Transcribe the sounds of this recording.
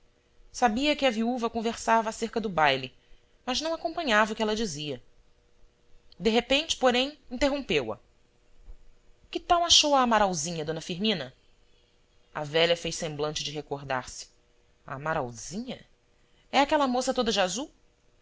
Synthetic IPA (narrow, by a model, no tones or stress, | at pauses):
sabiɐkɪɐviuvɐkõveɾsavɐːseɾkɐd̪ʊbajli | mɐznɐ̃w̃akõmpɐ̃ɲavɐukɪɛlɐd͡ʒiziɐ | d̪eɦepẽnt͡ʃɪ̥poɾẽj̃ĩnt̪eɦõpewɐ̰ | kɪt̪ãw̃aʃowɐːmaɾawzĩɲɐd̪õnɐfiɾmĩnɐ | ɐ̰vɛʎɐfejsẽmblɐ̃t͡ʃɪd͡ʒɪɦekoɾd̪a̰ɾsɪ̥ | a̰maɾa̰wzĩɲɐ | ɛakɛlɐmosɐt̪od̪ɐd͡ʒɪazuw